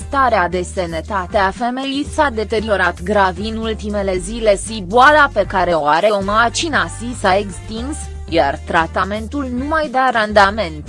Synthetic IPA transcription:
t̪aɾead̪e̞se̞net̪at̪e̞afe̞me̞jisad̪e̞t̪e̞ɾio̞ɾat̪ɡɾaviɨnult̪ime̞le̞zile̞siboalape̞kaɾe̞oaɾe̞omat͡ʃinasisaekst̪iŋɡs | jart̪ɾat̪ame̞nt̪ulnumajd̪eaɾand̪ame̞nt̪

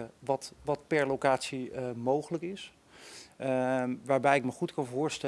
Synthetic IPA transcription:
əʋɑtʋɑt̚pɛɹlowkaːtsimowχələkɪs | ʋaːɹbɛjɪkməχutkɑnvʊːɹstɛ

